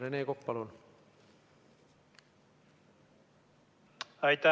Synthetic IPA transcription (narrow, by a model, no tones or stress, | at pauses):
ɾeneːkok̚pɑlul | ɑjt̪a